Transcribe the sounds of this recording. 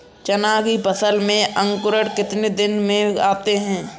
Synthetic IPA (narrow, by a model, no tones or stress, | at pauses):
t͡ʃɐnaːɡipəsəlmẽʔə̃ŋkʊɾəɽkɪt̪ned̪ɪnmẽaːt̪eɦɛ̃ː